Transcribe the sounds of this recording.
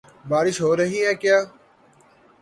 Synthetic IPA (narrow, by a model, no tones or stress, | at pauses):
baːɾɪʃɦoːɾəɦiːɦɛːkjaː